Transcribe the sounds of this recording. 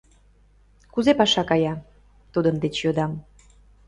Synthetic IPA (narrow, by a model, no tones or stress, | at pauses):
kuzepɑʃɑkɑjɑ | t̪ud̪ənd̪et͡ɕjod̪ɑm